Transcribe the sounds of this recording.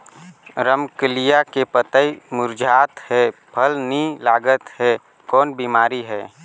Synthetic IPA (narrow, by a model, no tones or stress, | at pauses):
ɾəmkəlijakepət̪əimʊɾd͡ʒʱaːt̪hɛpʰəlnilaːɡət̪hɛ | kɔːnbiːmaːɾiɦɛː